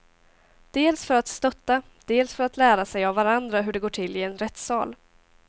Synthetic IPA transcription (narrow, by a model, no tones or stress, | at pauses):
d̪̥eːlsfœɾat̪st̪œt̪ːa | d̪̥eːlsfœɾat̪læːɾasɛjavːaɾand̪ɾaɦɵɖɛɡoːʈʰɪlːɪɛnɾɛt̪ːsɑ̰ːl